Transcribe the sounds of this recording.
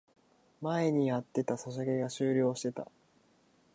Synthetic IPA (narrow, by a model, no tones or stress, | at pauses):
mae̞ɲ̟iat̪ːe̞t̪asaɕ̬aɡe̞ɡaɕɨːɾʲo̞ːɕi̥t̪e̞t̪a̰